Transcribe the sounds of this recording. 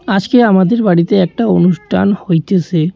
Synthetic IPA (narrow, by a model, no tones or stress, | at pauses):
ad͡ʑkeamad̪eɾbaɽit̪eɛk̚ʈaonuʃʈʰanhojt̪et͡ɕʰe